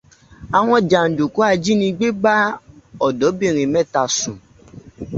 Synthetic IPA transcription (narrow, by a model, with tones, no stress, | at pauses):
a˨w̃ɔ̃˧d͡ʒa˨n̩˨du˨ku˨˦a˦˧d͡ʒi˦nĩ˧ɡ͡be˦ɡ͡ba˦ɔ˨dɔ˨˦bĩ˦˨ɾ̃ĩ˨mɛ̃˦˨ta˨sũ˨